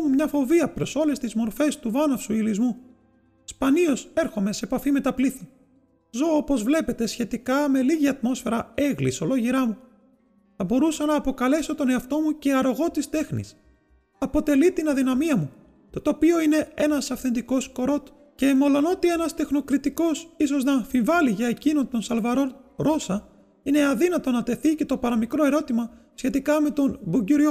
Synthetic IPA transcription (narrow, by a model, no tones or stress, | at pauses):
mumɲɐfo̞viɐpɾo̞so̞le̞st̪izmo̞ɾfe̞st̪uvɐnɐfsuilizmu | spɐniose̞ɾxo̞me̞seːpɐfime̞t̪ɐpliθi | zo̞opo̞zvle̞pe̞t̪e̞sçe̞t̪ikɐme̞liʝiɐt̪mo̞sfe̞ɾɐe̞ɣlḭso̞lo̞ʝiɾɐmu | θɐbo̞ɾusɐnɐːpo̞kɐle̞so̞t̪o̞ne̞ɐft̪o̞muce̞ɐɾoɣo̞t̪ist̪e̞xnḭs | ɐpo̞t̪e̞lit̪inɐðinɐmiɐmu | t̪ot̪opio̞ine̞e̞nɐsɐfθe̞nd̪iko̞sko̞ɾo̞t̪ | ce̞mo̞lo̞no̞t̪ie̞nɐst̪e̞xno̞kɾit̪iko̞siso̞znɐfiɱvɐliʝɐecino̞nt̪o̞nsɐlvɐɾo̞ɾo̞sɐ | ine̞ɐðinɐt̪o̞nɐt̪e̞θice̞t̪o̞pɐɾɐmikɾo̞e̞ɾo̞t̪imɐ | sçe̞t̪ikɐme̞t̪o̞nbuɟiɾio